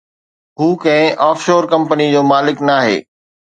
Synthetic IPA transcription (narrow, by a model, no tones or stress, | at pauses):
ɦuːkɐ̃ɦɪ̃ʔaːfʃoːɾkɐ̃mpənid͡ʑoːmaːlɪknaːɦḛː